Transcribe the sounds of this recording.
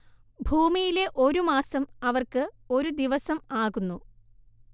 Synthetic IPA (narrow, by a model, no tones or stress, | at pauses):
bʱuːmijile̞ʔo̞ɾumaːsɐmɐʋɐrkɨo̞ɾud̪iʋɐsɐmaːɣunːu